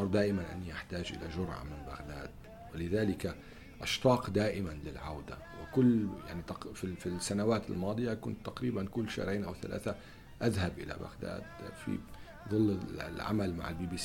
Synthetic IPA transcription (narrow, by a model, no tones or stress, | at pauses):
ɾˤd̪aːʔɪmanʔa̰nːiʔaħt̪aːʒʔɪ̰laʒʊɾʕa̰mɪnba̰ɣd̪aːd̪̥ | wɪlɪðaːlɪka | ʔɑʃt̪ˤɑːqd̪aːʔɪmanlɪlʕawd̪a̰ | wɪkʊlːja̰ʕnit̪ɑfifisːanawaːt̪ɪlmɑːd̪ˤɨjakʊnt̪ːaqɾiːbankʊlːʃa̰ːɾˤeːnʔawθa̰lʔa̰ːθa | ʔaðhabʔɪla̰ba̰ɣd̪a̰ːd̪fḭ | ðˤɨlːlʕa̰malma̰ʕɪlbiːbiːs